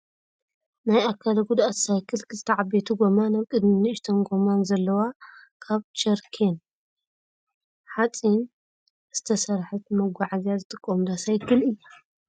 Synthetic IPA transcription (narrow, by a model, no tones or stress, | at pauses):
najakʰːalɐɡud̪ʔat̪sajkʰɨlkzɨt̪ʰɐʕabet̪ʰuɡomanaβkʼɨd̪minɨɪʃt̪ʰonɡo̞manzɐlːɐwakʰaβt͡ʃɐɾkʰen | ħat͡sʼin | z̥ɨt̪ʰɐsɐɾħɨt̪mɐɡʷaʕazazɨt̪ʼɨkʼːomd̪asajkʰɨlɨjːa